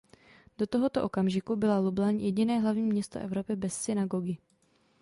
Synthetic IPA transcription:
d̥o̞t̪oɦo̞t̪oʔo̞kamʒɪkubɪlalublaɲjɛɟɪnɛːɦlavɲiːmɲɛst̪o̰ʔɛvɾo̞pɪbɛsːɪnaɡoɡɪ

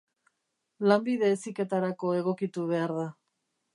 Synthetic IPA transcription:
lambiðe̞ːsike̞t̪aɾako̞e̞ɣ̞o̞kit̪uβ̞e̞aɾða

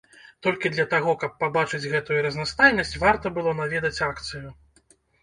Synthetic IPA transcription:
t̪ɔlʲkʲid̪lʲɐt̪aɣɔkɐpːabat͡ʂɨd͡zʲɣɛt̪ujuɾɐznast̪ajnɐsʲt͡sʲvart̪ɐbɨlˠɔnavʲɛd̪ɐt͡sʲakt̪sɨju

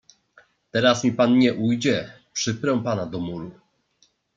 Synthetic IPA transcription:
t̪ɛɾasmʲipanɲɛʔujd͡ʑɛ | pʂɘpɾɛw̃panad̪ɔmuɾu

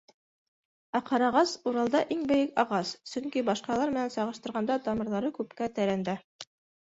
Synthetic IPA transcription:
æqɑɾɑʁɑsuɾɑlˠd̪ɑʔiŋbɘ̆jɘkɑʁɑssɵ̆ŋkibɑʃqɑlˠɑɾmɘ̆nænsɑʁɤ̆ʃt̪ɤ̆ɾʁɑnd̪ɑt̪ɑmɤ̆ɾðɑɾɤkʉpkæt̪æɾænd̪æ

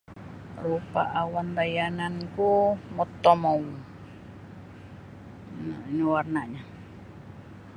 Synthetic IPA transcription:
rupa̰ʔawand̪ajanankumɔt̪ːɔmɔ | iniwarnaʔɲa

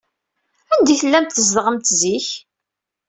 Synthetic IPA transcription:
ænd̪iθəlːæmt̪θəz̬ðʁəmt̪ziç

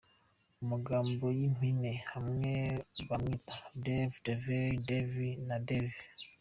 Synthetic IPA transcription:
umuɡaːmbo̞jim̥inehamŋeβamɲitḁdevideveɾidevinadevi

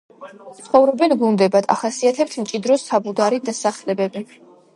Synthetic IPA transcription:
tt̪sχɔvɾɔbɛnɡund̪ɛbad̪̥a̰χasiat̪ʰɛp̚t̪ʰmt͡ʃʼid̪ɾɔsabud̪aɾid̪asaχlɛbɛbi

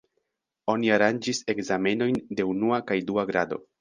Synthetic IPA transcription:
o̞niaɾand͡ʒise̞kzame̞no̞jnde̞unuakajduaɡɾado̞̰

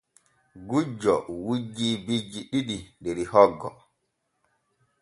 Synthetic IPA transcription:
ɡud͡ʒːɔwud͡ʒːibid͡ʒiɗiɗindeɾihɔɡːɔ

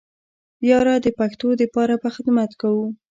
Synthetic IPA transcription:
jɑɾɑd̪əpaxt̪od̪əpɑɾabaxɪd̪mat̪kawu

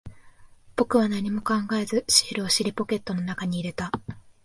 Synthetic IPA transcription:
b̥o̞kɯ̟β̞anaɲ̟imo̞kãŋɡae̞zɨɕi̥ːɾɯoɕiɾʲipo̞ke̞t̪ːo̞no̞nakaɲ̟iːɾe̞t̪a

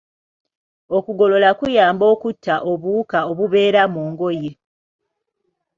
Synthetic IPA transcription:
o̞kuɡo̞lo̞lakujaːmbo̞ːkutːaʔo̞βuːkaoβuβe̞ːɾamoːŋɡo̞je̞

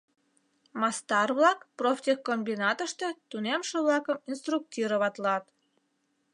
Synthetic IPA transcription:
mɑst̪ɑrβlɑkprofʲt̪ʲexkːombinɑt̪əʃt̪e̽t̪unemʃeβlɑkəminst̪ruk̚tʲiɾoβɑt̪lɑt̪

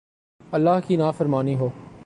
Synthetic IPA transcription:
ɐlːaɦkinaːfɐɾmaːniɦoː

